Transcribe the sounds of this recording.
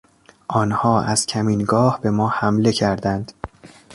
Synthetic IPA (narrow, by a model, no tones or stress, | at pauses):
ʔɒːnhɒːʔæz̥cʰæmiːnɡɒːhbe̞mɒːhæmle̞cʰæɾd̪ænd̪̥